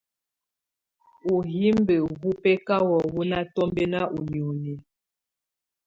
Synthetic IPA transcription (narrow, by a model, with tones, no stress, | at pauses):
u˨ɦi˦mbe˨hu˦pɛ˦ka˦wɔ˨wu˦na˦tɔ˦mbe˦na˦ʔu˨ɲ˨u˨ni˨